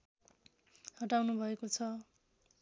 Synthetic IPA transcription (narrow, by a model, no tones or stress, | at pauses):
hʌʈawnubʱʌekot͡sʰʌ